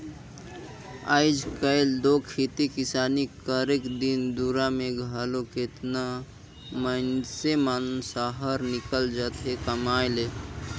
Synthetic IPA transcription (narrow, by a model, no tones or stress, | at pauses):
a̰ɪd͡ʒkəɪld̪okʰit̪ikɪsaːnikəɾekd̪ind̪uɾamẽɡʱəloket̪na | mənsemənsaɦəɾnɪkəld͡ʒat̪ɦekəmajle